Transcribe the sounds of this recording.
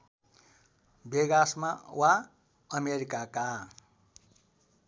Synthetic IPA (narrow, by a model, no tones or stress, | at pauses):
beɡasmawa | ʌmeɾikaka